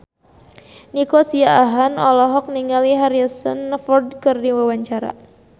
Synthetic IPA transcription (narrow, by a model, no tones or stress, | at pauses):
nikosiaaɦanɔlɔɦɔk̚niŋaliɦaɾiasə̰nːəfɔrdkɨrdiwawaɲt͡ʃaɾa̰